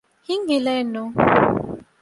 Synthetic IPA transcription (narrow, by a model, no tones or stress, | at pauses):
iŋilɛnɔ